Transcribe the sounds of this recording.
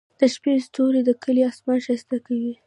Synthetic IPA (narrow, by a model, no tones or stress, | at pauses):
d̪̥əʃpest̪oɾed̪əkʰəliɑsmɑnʃast̪akawi